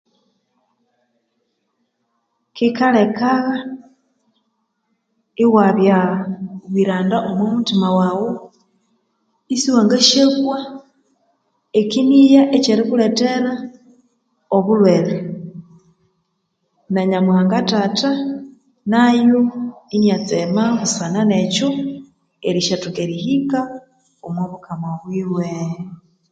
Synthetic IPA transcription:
kikalekaɣa | iɣwaβjaaβwiɾaːndaʔomwomutimawawo | isiwaŋɡaʃekwa | ekinijaʔeceɾikuleteɾa | oβulwele | naɲamwaːŋɡatata | najoinat͡semaβusananet͡ʃo | eɾiʃatukeɾihika | omwoβukamaβwiːwe

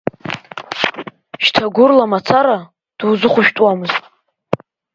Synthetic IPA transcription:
ʃtʰaɡʷʊrlamat͡sʰaɾa | d̥uwzɨχʷʊʃᶣtʼwamɨztʼ

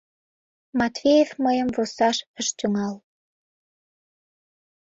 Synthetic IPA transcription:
mɑt̪vejefməjəmvusɑʃəʃt̪ʲuŋɑl

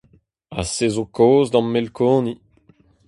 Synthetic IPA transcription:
asezokoːzd̪ɑ̃mːelkʰoːni

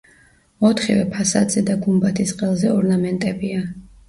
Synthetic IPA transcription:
ɔt̪ʰχḭvɛpʰasad̪zɛd̪aɡumbat̪ʰisqʼɛlˠzɛɔɾnamɛnt̪ʼɛbia

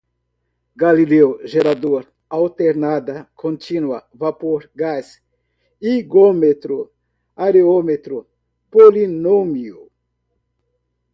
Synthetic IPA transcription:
ɡalilewʒeɾad̪oɾ | awt̪eɾnad̪ɐkʰõnt͡ʃ̪inuɐvapoɾɡas | iɡomet̪ɾʊ | aɾeomet̪ɾʊ | polinomiu

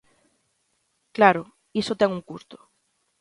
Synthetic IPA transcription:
klaɾo | isot̪ɛŋuŋkust̪o̥

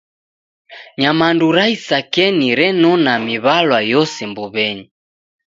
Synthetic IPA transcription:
ɲamanduɾaisakɛniɾɛnɔnamiβalwajɔsɛmbuβɛɲi

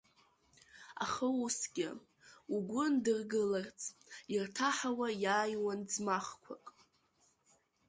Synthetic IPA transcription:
a̰χəwusɡʲɪ̰ | uɡʷʊndɨrɡɨlart͡sʼirtʰaħawajaːjwand͡zmaχkʷʰakʼ

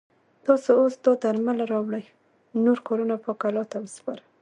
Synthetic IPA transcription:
t̪ɑsoosd̪ɑd̪aɾmalaɾɑwɽaj | noɾkɑɾunapəkalɑt̪abəspɑɾa

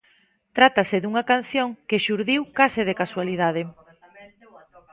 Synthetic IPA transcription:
t̪ɾat̪asɪðuŋɐkan̟θjoŋkeʃuɾðiwkasɪð̞ekaswaliðað̞e

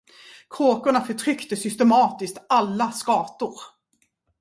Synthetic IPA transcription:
kʰɾoːkʊɳafœʈʰɾʏkt̪əsʏst̪ɛmɑːt̪ɪskt̪alːaskɑːt̪ʊɾ

